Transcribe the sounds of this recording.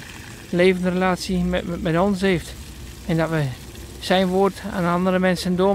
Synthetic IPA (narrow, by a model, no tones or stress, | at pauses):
leːvəndrəlaːsjəmɛtɔns̬heːft | ɛndɔtʋə | sɛjnʋoːrta̰ːnɑndəɾəmɛnsəndoə